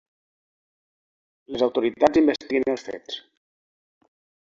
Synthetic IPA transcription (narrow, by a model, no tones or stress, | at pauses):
lezawt̪uɾit̪ad͡zimbəst̪iənəlˠsfḛt͡s